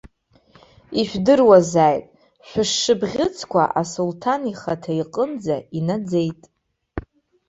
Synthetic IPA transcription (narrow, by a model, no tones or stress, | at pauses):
iʃᶣdɨrwazaːjtʼ | ʃʷᶣʊʂːɨbʁʲɪt͡sʰkʷa̰ʔasultʰaniχatʰaiqʼənd͡zainad͡zejtʼ